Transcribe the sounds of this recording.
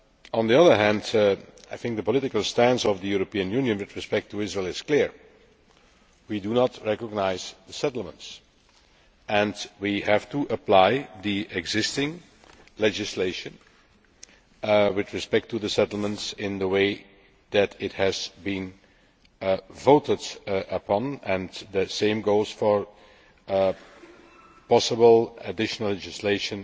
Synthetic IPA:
ə̃nd̪iʌðə˞ɦæ̃ndaɪθɪ̃ŋk̚d̪əpɔlɪtɪkəl̩ˠstæ̃nzɔvðəjuɹopiɨ̃njʉnjɨ̃nwɪdɹɪspɛk̚tʰuɪzɹeɪlˠɪskliɹ | widunətʰɹɛkəɡ̚naɪzðəsɛtl̩ˠmə̃nts | ɛ̃ndwihæftuʔəplaɪðiʔɛɡzɪstɪ̃ŋ | lɛd͡ʒɪsleɪʃə̃n | wɪdɹɨspɛk̚tːuðəsɛtl̩ˠmə̃ntsɪ̃nðəweɪ | d̪ætɪthɨz̥bĩn | voʊtədʔəpʰɑ̃nɛ̃nd̪əsẽɪ̃mɡoʊz̥fə˞ | pɑsəbəlˠədɪʃənəl̩ˠːɛd͡ʒɪsleɪʃə̃n

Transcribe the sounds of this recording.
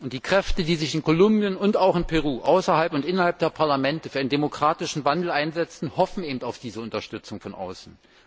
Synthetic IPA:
ʊnt̚d̥iːkʁ̥ɛftədiːzɪçɪnkʰolʊmbjənʊntaʊxɪnpʰɛʁuːʔaʊsɐhalpʊntʔɪnɐhalp̚d̥eːɐpʰaɐlamɛntəfyːɐɪəndemokʁ̥aːtɪʃn̩vandl̩aɪnzɛt͡sn̩hɔfn̩eːbm̩taʊfd̥iːzəʊntɐʃtʏt͡sʊŋfɔnʔa̰ʊsn̩

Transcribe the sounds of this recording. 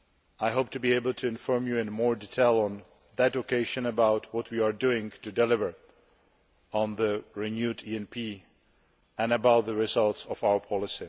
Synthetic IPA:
ajɦoʊp̚tʰɨbieɪbl̩ˠtʰɨɪ̃nfɔɹmjuɪ̃nmɔɹditʰeɪlˠə̃n | ðɨtokʰeɪʒɨ̃nəbaʊtʰwɔt̚ʰwiaɹdʉɪ̃ŋtɨdɛlɪvə˞ | ə̃nðəɹɪnjudiɛ̃npʰi | ɛ̃nəbaʊt̪̚ðəɹɪzʌlˠtsɔvaʊə˞pʰɑlɪsi

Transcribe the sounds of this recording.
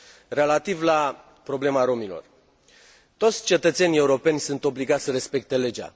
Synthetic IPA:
re̞lat̪ivla | pɾo̞ble̞maɾo̞milo̞̰r | t̪o̞t̪sʲt͡ʃe̞t̪ət̪se̞nie̞uɾo̞pe̞nʲsunt̪o̞bliɡat̪ʲsəɾe̞spe̞k̚t̪e̞le̞d͡ʒa̰

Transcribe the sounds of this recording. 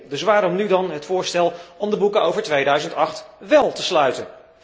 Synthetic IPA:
dɵsʋaːɾɔmnydɑnɦətfʊːɹstɛlˠɔmdəbukəowvəɹtʋejdœɥzəntɑχtʋɛlˠtəslœɥtən

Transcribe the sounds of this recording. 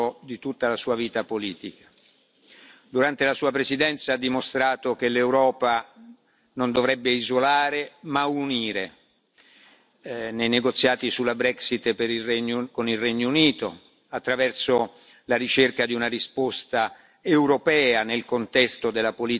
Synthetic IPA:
od̪it̪ut̪ːalasuːaviːt̪apoliːt̪ikḁ | d̪uɾant̪elasuːapɾesid̪ɛnt̪saad̪ːimost̪ɾaːt̪ok̟elewɾɔːpa | nond̪ovɾɛbːeizolaːɾemauniːɾe | nejneɡot̪sːjaːt̪isulabɾɛksit̪ːpeɾiɛɲːkonilrːɛɲːouniːt̪o | at̪ːɾavɛrso | laɾit͡ʃerkad̪iunarispost̪a | ewɾopɛːanelkont̪ɛst̪od̪elːapoliː

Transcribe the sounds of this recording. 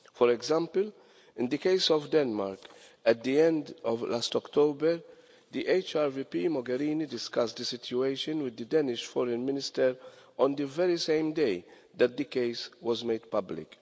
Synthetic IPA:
fɔɾɛɡzãmpəl | ɪ̃nd̪əkeɪsɔvd̪ɛnmaɾkɛt̪̚d̪iɛ̃nd̪ɔvlast̪ɔkt̪ʰoːbɛɾ | d̪iʔeɪt͡ʃaɾvipimɔɡɛɾiːnid̪ɪskɐstd̪isɪtjueɪʃɨ̃nwɪd̪ːəd̪ɛnɪʃfɔɾɛ̃nmɪnɪst̪ɛɾʔɔ̃nd̪ivɛɾisẽɪmd̪eɪ | d̪ɛt̪̚d̪ikeɪswɔzmed̪pɐblɪ̰k

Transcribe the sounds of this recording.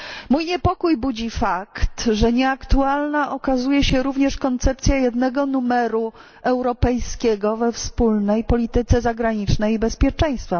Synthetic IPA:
mujɲɛpɔkujbud͡ʑifakt̪ʐɛɲɛakt̪ualnaʔɔkazujɛɕɛɾuvɲɛʂkɔnt̪sɛp̚t̪sʲjajɛd̪nɛɡɔnumɛɾu | ɛwɾɔpɛjskʲɛɡɔvɛfspulnɛjpɔlʲit̪ɘt̪sɛzaɡɾaɲit͡ʂnɛjibɛspʲjɛt͡ʂɛ̃j̃st̪fa

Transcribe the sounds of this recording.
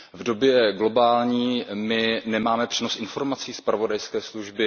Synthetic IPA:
vdo̞bjɛɡlo̞baːlɲiːmɪnɛmaːmɛpr̥ino̞sʔɪnfo̞ɾmat͡siːspɾavo̞dajskɛːsluʒbɪ

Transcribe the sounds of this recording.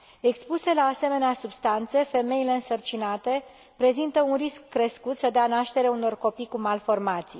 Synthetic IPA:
e̞kspuse̞laːse̞me̞neasubst̪ant̪se̞fe̞me̞ile̞ɨnsərt͡ʃinat̪e̞ | pɾe̞zint̪əunriskːɾe̞skut̪səd̪eanaʃt̪e̞ɾeauno̞rko̞pikumalfo̞rmat̪si

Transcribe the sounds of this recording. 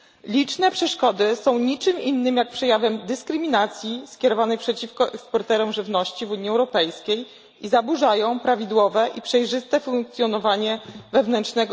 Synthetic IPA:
lʲit͡ʂnɛpʂɛʂkɔd̪ɘsɔ̃w̃ɲit͡ʂɘminːɘmjak̚pʂɛjavɛmd̪ɘskɾɘmʲinat̪sʲjiskʲɛɾɔvanɛjpʂɛt͡ɕifkɔʔɛkspɔɾt̪ɛɾɔmʐɘvnɔɕt͡ɕivuɲːiɛwɾɔpɛjskʲej | izabuʐajɔ̃w̃pɾavʲid̪wɔvɛʔipʂɛjʐɘst̪ɛfuŋk̚t̪sjɔnɔvaɲɛvɛvn̪ɛntʂnɛɡ

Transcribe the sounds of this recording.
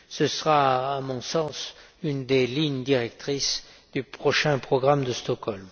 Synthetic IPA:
səsəʁaːmɔ̃sɑ̃s | ynd̪eliɲd̪iʁɛk̚t̪χisd̪̥ypχɔʃɛ̃pχɔɡʁamd̪əst̪ɔkɔlm

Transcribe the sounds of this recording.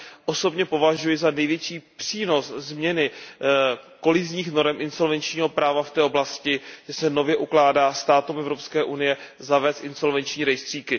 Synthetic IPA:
ʔo̞so̞bɲɛpo̞vaʒujɪzanɛjvjɛt͡ʃiːpr̝̥iːno̞szmɲɛnɪ | ko̞lɪzɲiːxno̞ɾɛmʔɪnso̞lvɛnt͡ʃɲiːɦo̞pɾaːvaft̪ɛːʔoblascɪʒɛsɛno̞vjɛʔuklaːdaːst̪aːt̪umɛvɾo̞pskɛːʔunɪjɛzavɛːst̪ʔɪnso̞lvɛnt͡ʃɲiːɾɛjst̪r̝̥iːkɪ

